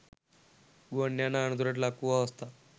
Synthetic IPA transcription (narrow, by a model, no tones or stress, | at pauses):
ɡonjanaːɳud̪ʱuɾaʈ̬lakuʋaəst̪a